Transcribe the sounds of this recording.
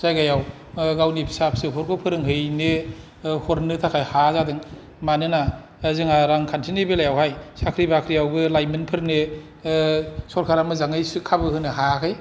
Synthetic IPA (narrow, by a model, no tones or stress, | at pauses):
z̥ajɡajaw | ɡawnipʰi̥sapʰsɯpʰɔɾkʰopʰɯɾɯŋɦɯjne | hoɾnɯtʰakʰajhazadɯŋ | manɯna | zɯŋaɾaŋkʰantʰinebɯlajawɦajsʰakʰɾibakʰɾijawbɯlajmenpʰɯɾɯŋne | sɔɾkʰaɾamɯzaŋɯjskʰabɯhɯnɯɦakʰɯj